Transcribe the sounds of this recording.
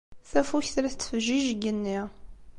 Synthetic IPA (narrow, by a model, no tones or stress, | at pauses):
θæfuçθɾæθt͡sːfəʒiʒɡənːi